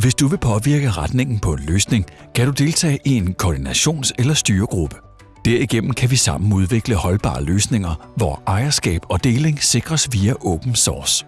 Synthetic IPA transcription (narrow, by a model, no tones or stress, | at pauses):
ʋe̝sd̥uʋe̝pʰɒ̽ʋiɐɡ̥əʁad̥ne̝ŋn̩pʰɒ̽e̝nløːsne̝ŋ | kʰæɾ̥ud̥e̝lt͡sʰɛ̰ːʔie̝nkʰɒːd̥inæɕo̝̰ːnselɐsd̥yːɐɡ̥ʁub̥ə | d̥æɐ̰iɡ̥en̰m̩kʰæʋisɑ̈m̰n̩uð̞ˠʋe̝ɡ̥ləhɒ̽lb̥ɑ̰̈ːløːsne̝ŋɐʋɒʔɑ̈ɪɐsɡ̥ɛ̰ːb̥ɒ̽d̥e̝ːle̝ŋse̝ɡ̥ʁɐsʋiːæʔɔʊb̥n̩sɒːs